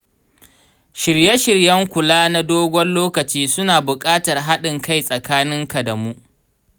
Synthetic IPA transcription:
ʃɪ˨ɾje˦ʃɪ˨rjɐ˦ŋkʷʊ˨laː˦na˦doː˦ɡʷɔ˦nloː˦kɐ˨t͡ʃiː˦sʊ˦naː˨bʊ˨kʼaː˦tɐ˨rɦa˦ɗɪ˨ŋka˦jsʼɐ˨kaː˦nɪ˦ŋka˨dɐ˨mu˦ʔ

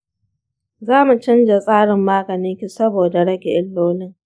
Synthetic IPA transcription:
zaː˦mu˨t͡ʃɪ˦nd͡ʒa˨sʼaː˦ɽɪ˨mːaː˦ɡɐ˨nɪ˦ŋkʲi˨sɐ˦boː˨da˨ɽɐ˦ɡʲe˨ʔɪ˦lːoː˦nɪ˦ŋ

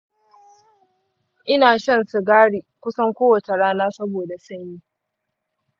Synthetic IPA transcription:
ʔɪ˦naː˨ʃɐ˦˨nsu˨ɡaː˦ɽiː˨kʷʊ˦sɐ˦ŋkʷoː˦wɐ˨t͡ʃe˨ɽaː˦naː˦sɐ˦boː˨da˨sɐ˦ɲjiː˦

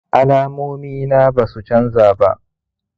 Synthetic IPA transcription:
ʔa˦laː˦moː˦miː˦naː˦baː˨su˨t͡ʃɐ˦nzaː˨ba̰˦ʔ

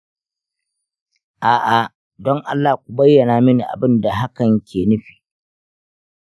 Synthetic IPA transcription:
ʔaː˨ʔa˨ | dɔ˦ŋʔa˦lːaː˨k̚ʷu˨bɐ˦jːɐ˨naː˨mɪ˦ni˨ʔa̰˨bɪ˦nda˨ɦa˦kɐ˨ŋkʲʰeː˨nɪ˦ɸi̥ː˨

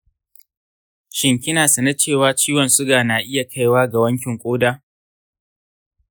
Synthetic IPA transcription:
ʃɪ˨ŋkʲɪ˦naː˨sɐ˨nɐ˦t͡ʃeː˦˨waː˦t͡ʃiː˦wɐ˨nsʊ˦ɡaː˨naː˨ʔɪ˦ja˨kʰa˦jwaː˦ɡa˨wɐ˦ŋkʲɪ˨ŋkʷʼoː˦daː˦

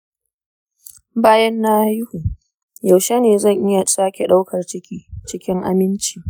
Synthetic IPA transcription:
baː˦jɐ˦nːaː˦jʊ˦hu˨ | ja˨wʃe˦neː˨zɐ˦˨ŋʔɪ˦ja˨sʼaː˦kʲe˨ɗa˦wkɐ˨rt͡ʃɪ˦kʲiː˦t͡ʃɪ˦kʲɪ˦ŋʔa̰˦mɪ˦nt͡ʃi˨

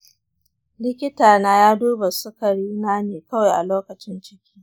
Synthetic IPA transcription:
lɪ˦kʲɪ˦taː˨naː˦jaː˦duː˦ba˨sʊ˦ka˨ɽi˦naː˦neː˨kɐ˦wa˨jʔa̰˨loː˦kɐ˨t͡ʃɪ˦nt͡ʃɪ˦kʲi̥ː˦

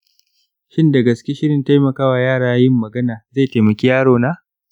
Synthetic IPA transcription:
ʃɪ˦nda˨ɡɐ˨skʲi˦ʃɪ˦ɽɪ˨nta˦jmɐ˨kaː˦waː˨jaː˦˨ɽaː˦jɪ˦mːɐ˨ɡɐ˦naː˨za˦˨jta˨jmɐ˨kʲi˦jaː˦ɽoː˨˦naː˦

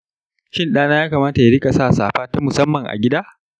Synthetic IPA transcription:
ʃɪ˦nɗaː˦naː˦jaː˦kaː˨maː˦ta˨ja˦ɽɪ˦kʼa˨saː˦˨saː˨ɸaː˦ta˦mʊ˨sɐ˦mːɐ˨ŋʔa̰˨ɡʲɪ˦daː˦

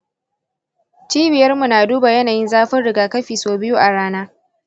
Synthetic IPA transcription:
t͡ʃiː˦bɪ˨jɐ˦rmu˨naː˨duː˦ba˨jɐ˦naː˨jɪ˦nzaː˦ɸɪ˦nɽɪ˨ɡaː˨kɐ˦ɸiː˨soː˦bɪ˦ju˦ʔa˨ɽaː˦naː˦

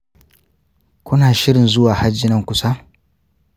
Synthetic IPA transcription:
kʷʊ˦naː˨ʃɪ˦ɾɪ˨nzʊ˦waː˨ha˦d͡ʒːɪ˦nɐ˦ŋkʷʊ˦sa˦

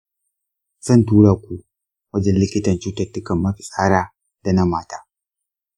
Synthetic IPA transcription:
z̥ɐ˦˨ntuː˦ɽaː˨kʷu˨ | wɐ˦d͡ʒɛ˦nlɪ˦kʲɪ˦tɐ˨nt͡ʃuː˦tɐ˦˨tːʊ˦kɐ˨mːɐ˦ɸi˨sʼaː˦ɽaː˦ | d̥a˨na˦maː˦taː˦

